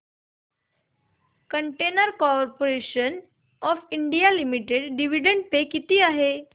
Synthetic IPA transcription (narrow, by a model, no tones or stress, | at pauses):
kəɳʈenəɾkɔɾpoɾeɕən | ɔfiɳɖijalimiʈeɖɖiʋiɖəɳɖ̚pekit̪iːaɦe